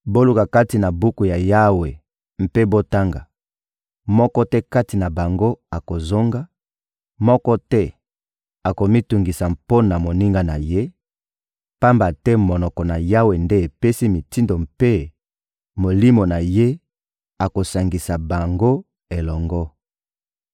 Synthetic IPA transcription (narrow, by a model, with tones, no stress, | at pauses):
bo˦lu˨ka˨ka˦ti˨na˨bu˦ku˨ja˨ja˦we˨ | m̩˦pe˦bo˦ta˦ŋɡa˨ | mɔ˦kɔ˦tɛ˦ka˦ti˨na˨ba˨ŋɡo˦a˨ko˨zo˦ŋɡa˦ | mɔ˦kɔ˦tɛ˦ | a˨ko˨mi˦tu˨ŋɡi˨sa˨mpo˦na˨mo˨ni˦ŋɡa˦na˨je˦ | pa˦mba˨tɛ˦mo˨nɔ˨kɔ˨na˨ja˦we˨nde˦e˨pe˦si˦mi˨ti˦ndo˨m̩˨pe˦ | mo˨li˦mo˨na˨je˦ | a˨ko˨sa˨ŋɡi˨sa˨ba˨ŋɡo˦ | e˨lɔ˨ŋɡɔ˦